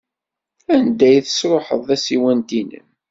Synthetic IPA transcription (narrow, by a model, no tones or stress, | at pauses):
ænd̪æjθə̥sɾˤoħə̰ðˤæsiwænd̪inə̰n